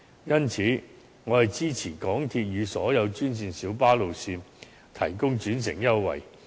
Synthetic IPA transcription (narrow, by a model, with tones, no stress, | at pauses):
jɐ˥nt͡sʰiː˨˥ | ŋɔː˨˧hɐ˨jt͡siː˥t͡sʰiː˨˩kɔː˨˥ŋt̪ʰiː˧t̚jyː˨˧sɔː˨˥jɐ˨˧wt͡ʃyː˥nsiː˨˧nsiː˨˥wpaː˥lo˨wsiː˧n | t̪ʰɐ˨˩jkʊ˥ŋt͡ʃyː˨˥ns̬ɪ̰˨˩ŋjɐ˥wːɐ̰˨˩j